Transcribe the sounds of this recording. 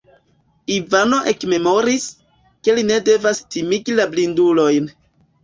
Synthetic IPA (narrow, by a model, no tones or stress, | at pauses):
ivano̞ʔe̞kme̞mo̞ɾis | ke̞line̞de̞vastimiɡilablindulo̞jn